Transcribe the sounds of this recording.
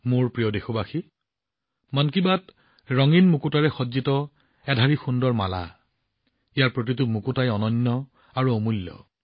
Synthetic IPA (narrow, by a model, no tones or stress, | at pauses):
moɹpɹijɔdexobaxi | mankibat | ɹɔŋinmukutaɹɛxɔzitɔ | ɛdʱaɹixundɔɹma̰la̰ | ijaɹpɹot̬itʊmukutajɔnɔɲːɔ | aɹuomulːɔ̰